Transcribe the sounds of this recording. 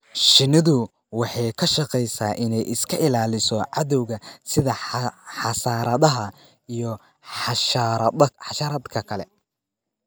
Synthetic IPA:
ʃɪnɪðʊ | wɑħɑjkʰɐʃɑqɛjsaːʔɪnɛjʔɪskʰɐʔɪlaːlɪsɔʕɑðɔwɣɐsɪðɐħɑsaːɾɐðɐɦɐ | ijɔ | ħɑʃɾɐħɑʃaːɾɐd̪kʰɐkʰɐlɛ̰

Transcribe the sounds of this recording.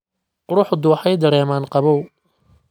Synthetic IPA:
qʊɾʊħd̪ʊwɑħɑjd̪ɐɾɛːmaːnqɑβɔw

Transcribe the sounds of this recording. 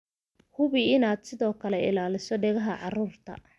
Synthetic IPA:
hʊβɪɪnaːd̪sɪðɔːkʰɐlɛɪ̰laːlɪsɔɖɛɣɐɦɐʕɑruːrt̪ʰɐ̰

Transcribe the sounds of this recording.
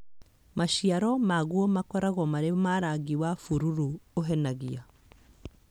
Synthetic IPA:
maʃiaɾɔmaɣwɔmakɔɾaɣɔmaɾemaɾaɣiwafuɾuɾuoɦɛnaɣia

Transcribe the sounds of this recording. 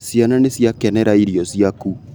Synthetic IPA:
siananesjakɛnɛɾaiɾiɔsiaku

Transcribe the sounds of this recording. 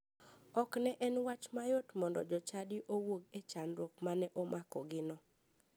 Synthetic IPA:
ɔknɛʔɛnwat͡ʃmajotmɔndɔ̰d͡ʒɔt͡ʃadiʔowoɡet͡ʃanɾokmanɛʔomʔakɔ̰ɡɪnɔ

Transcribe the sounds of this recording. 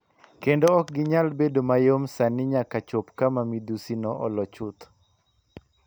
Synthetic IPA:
kendoɔk̚ɡɪɲalbedomajomsanɪɲakat͡ʃopkamamid̪usinɔʔɔlɔt͡ʃʊt̪

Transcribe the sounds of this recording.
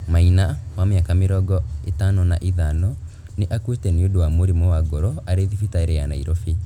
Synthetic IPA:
mainawameakameɾɔɡɔetanɔnaʔiðanɔ | neʔakwetɛniodowamoɾimowaɡoɾɔaɾeðifitaeɾɛana̰ḭɾɔfi

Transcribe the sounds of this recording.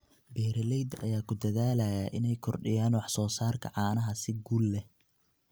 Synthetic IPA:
bɛːɾɐlɛjd̪ɐ̰jaːkʰʊd̪ɐðaːlɐjaːʔɪnɛjkʰɔrɖɪjaːnwɑħsɔːsaːrkʰɐ̰ʕɑːnɐɦɐsɪɡuːlːɛ

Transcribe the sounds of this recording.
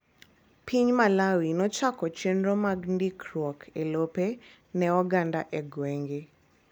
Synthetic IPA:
pʰiɲmalawinɔt͡ʃakɔt͡ʃenɾomaɡndikɾwɔkʰelope | nɛɔɡandaʔɛɡweŋɡe

